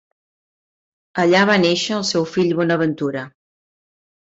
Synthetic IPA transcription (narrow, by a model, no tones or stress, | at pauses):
əʎaβaneʃəːlˠsɛwfiʎβɔnəβənt̪uɾə